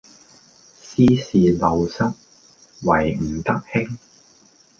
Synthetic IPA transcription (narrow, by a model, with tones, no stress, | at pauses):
siː˥siː˨lɐ˨˧wsɐ˥k̚ | wɐ˨˩jm̩˨˩t̪ɐ˥k̚hɪ˥ŋ